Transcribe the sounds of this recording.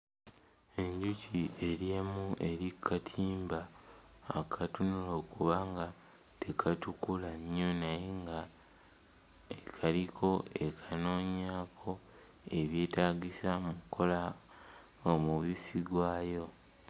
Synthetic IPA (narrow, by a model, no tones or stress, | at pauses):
e̞ɲɟucie̞ɾjemuʔe̞ɾikʰːatʰiːmbaː | kʰatunulo̞ːkuβaŋɡa | tekʰatukulaɲːonaje̞ŋɡa | ekʰalikʰo̞ekʰano̞ːɲaːkʰo̞ | e̞βje̞ːtaːɡisamukʰːo̞la | omuβisiɡwaːjo̞